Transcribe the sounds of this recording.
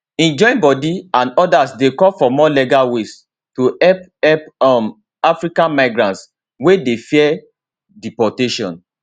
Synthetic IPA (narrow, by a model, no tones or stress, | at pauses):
ɛ̃nd͡ʒɔ̃ĩnbɔdiãnɔdasdekɔfɔmɔlɛɡawes | tuɛpɛpɔm | afɹikãnmaɪɡɾɹãnts | wedefiɛ | dipɔteʃɔ̰̃n